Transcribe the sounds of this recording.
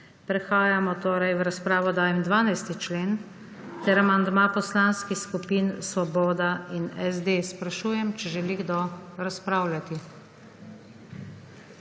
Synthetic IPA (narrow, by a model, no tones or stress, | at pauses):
pɾɛxaːjamɔt̪oːɾajʋɾaspɾaːʋɔd̪aːjɛmd̪ʋaːnajst̪it͡ʃleːn | t̪ɛɾamand̪mapɔslanskixskupiːnsʋɔboːd̪ainɛzd̪espɾaʃuːjɛmt͡ʃɛʒɛliɡd̪oɾaspɾaːwlʲjat̪i